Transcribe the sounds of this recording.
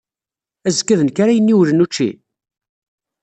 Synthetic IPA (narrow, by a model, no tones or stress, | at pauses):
æzkːæðənkaɾajənːiwlənut͡ʃːḭ